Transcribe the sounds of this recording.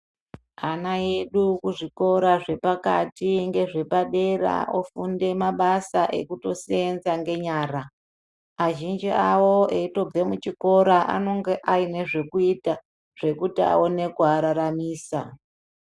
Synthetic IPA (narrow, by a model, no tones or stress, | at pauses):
anaje̞ɗukuʐiko̞ɾaʐe̞paka̰tiŋɡe̞ʐe̞paɗe̞ɾa̰ofunde̞maɓasaʔe̞̰kuto̞sienzaŋɡe̞ɲaːɾa | aʒind͡ʒiawo̞eito̞b͡ve̞mut͡ʃiko̞ɾaʔa̰no̞ŋɡeʔaine̞ʐe̞kuita | ʐ̥e̞kutia̰one̞kuaɾaɾamiːsa̰